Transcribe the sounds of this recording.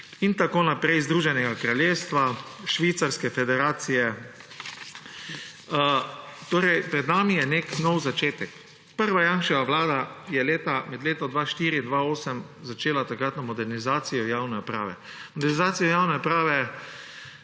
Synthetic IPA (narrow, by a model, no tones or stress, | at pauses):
int̪akoːnapɾɛjzd̪ɾuːʒɛnɛɡakɾaljeːst̪ʋaʃʋit̪saɾskɛfɛd̪ɛɾaːt̪sijɛ | t̪oːɾɛjpɾɛd̪naːmijɛneknɔwzat͡ʃeːt̪ɛk | pəɾʋajanʃɛʋaʋlaːd̪ajɛleːt̪amɛd̪leːt̪ɔd̪ʋaːʃt̪iːɾind̪ʋaoːsəmzat͡ʃeːlat̪akɾat̪nɔmɔd̪ɛɾnizaːt̪sijɔjawnɛɔpɾa̰ːʋɛ̰ | mɔd̪ɛɾnizaːt̪sijɔjawnɛɔpɾaːʋɛ